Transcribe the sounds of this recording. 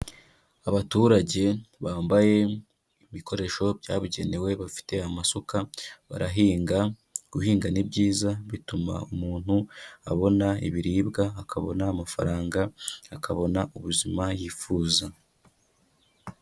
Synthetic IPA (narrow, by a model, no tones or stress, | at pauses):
aβatuːɾaɟe̞βaːmbaje̞ | iβiko̞ɾe̞ʃo̞bɟaːβiɟe̞ne̞we̞βafi̥te̞amasokaβa̰ɾaɦiːŋɡa | ɡ̥uhiːŋɡanibɟiːzaβituma̰umuːn̥hua̰βo̞naiβiɾiːbɡaːkʰaβo̞̰naːmafa̰ɾaːŋɡaːkʰaβo̞nauβuzimajiːfuːza